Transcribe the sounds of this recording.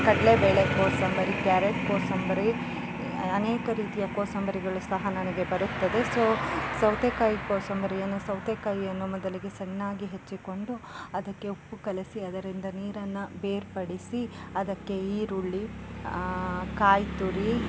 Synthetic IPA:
kɐɽlebeːɭekoːsɐmbɐɾikjaːɾeʈkoːsɐmbɐɾi | ɐneːkɐɾiːt̪ijɐkoːsɐmbɐɾiɡɐɭusɐɦɐnɐnɐɡe̞bɐɾut̪ːɐd̪e̞soːsɐwt̪ekɐjikoːsɐmbɐɾijɐnːusɐwt̪ekɐjiɐnːumɔd̪ɐliɡe̞sɐnːaːɡiɦet͡ʃːiko̞ɳɖuɐd̪ɐkːe̞upːukɐlɐsiɐd̪ɐɾind̪ɐniːɾɐnːɐbeːɾpɐɽisiɐd̪ɐkːe̞iːɾuɭːi | kaːjt̪uɾi

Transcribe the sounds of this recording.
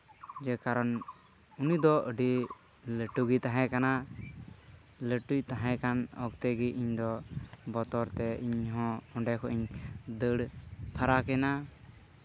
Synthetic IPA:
d͡ʒɛkaɾɔn | unid̪ɔʔəɖi | ləʈuɡit̪aɦɛ̃kana | ləʈut̪aɦɛ̃kanɔ̰kt̪ɛɡiʔiɲd̪ɔbɔt̪ɔɾt̪ɛiɲɦɔ̃ɔɖɛkʰɔʔiɲd̪əɽpʰaɾakɛna

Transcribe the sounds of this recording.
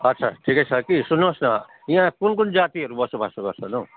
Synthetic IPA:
ʌtːsʰaʈʰikʌjt͡sʰʌkisunːosnʌ | j̃ãkunkund͡zat̪iʌɾubʌsubʱasoɡʌrt͡sʰʌno

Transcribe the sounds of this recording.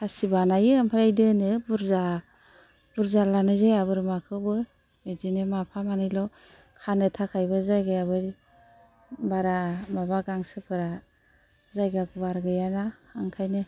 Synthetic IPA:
asibanajɯampʰɯɾajdɯnɯbuɾza | b̥uɾzalanɯzajabɯɾmakʰɯbɯ | medinɯmapʰamanɯjlɔ | kʰanɯtʰakʰajbɯzajɡajabɯɾ | baɾamabaɡaŋsɯpʰɯɾa | zajɡaɡubaɾɡɯjanaːŋkʰajnɯ

